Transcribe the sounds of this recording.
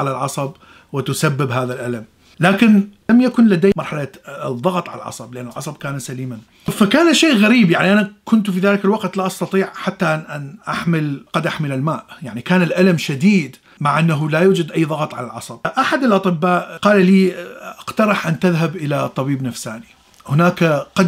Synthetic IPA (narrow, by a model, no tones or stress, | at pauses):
ʕalalʕɑsˤɑb | wɪt̪ʊsabːɪbɦaːðalʔalam | laːkɪnlamjakʊnlad̪ejmɑɾˤħalaðˤːɑɣt̪ˤʕa̰la̰lʕɑ̰sˤɑblɪʔanːɪlʕɑsˤɑb̚kaːnasaliːman | fakaːnʃeːʔɣaɾiːbjaʕniʔanakʊnt̪fiðaːlɪkalwaqt̪laʔɑst̪ɑt̪ˤiːʕħat̪ːaʔʔanʔaħmɪlqɑd̪ʔaħmɪlɪlmaːʔjaʕnikaːnɪlʔalamʃad̪iːd̪ | maʕʔanːaɦʊlajuːd͡ʒad̪ʔajːðˤɑɣɑt̪ˤʕa̰lalʕɑ̰sˤɑb̥̚ʔaħad̪ɪlʔɑt̪ˤɨbːaːʔqɑːlaliːʔqt̪ɑɾˤɨħʔant̪ɪðɦabʔɪlat̪ˤːɑbiːbnafsaːni | hʊnaːkaqɑ